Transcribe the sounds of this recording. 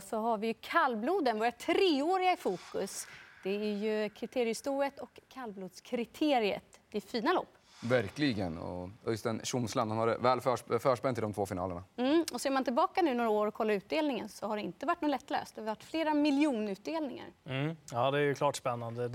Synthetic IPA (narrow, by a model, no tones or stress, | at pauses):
sɔɦaɾvɪjɵkʰalːbluːd̪ənvɔːɾat̪ʰɾeːoːɾɪɡaɪfuːkɵsd̪̥ɛæɾjɵkʰɾɪt̪ʰeːɾɪəst̪uːət̪ɔkʰːalbluːd̪skʰɾɪt̪ʰeːɾɪə̰t̪d̪ɛfiːnalɔ̰ːpː | væɾklɪɡənɔ̰œst̪ɛnɕʊmslanhanhaɾɛvɛːlfœːʂfœːʂpɛnt̪ʰːɪlɔmt̪voːfɪnɑ̰ːləɳam̩ːɔseːɾmant̪ʰɪlbɑːkanʉ̟ːnoːɾaoːɾɔkʰɔlːaʉ̟ːt̪̚d̪eːlnɪŋənsɔhaɖɛɪnt̪əvaʈːnʊːlɛt̪ːlø̰ːst̪d̪ɛavɪvaʈːfleːɾamɪljuːnʉ̟ːt̪̚d̪eːlnɪŋa̰ɾɑːd̪ɛæjɵkʰlɑːʈspɛnːand̪ə